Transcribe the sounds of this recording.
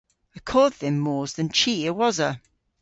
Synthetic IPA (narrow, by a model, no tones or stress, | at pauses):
əkʰɔːd̪̚ðə̃mːɔːzðə̃nt͡ʃʰiəwɒzə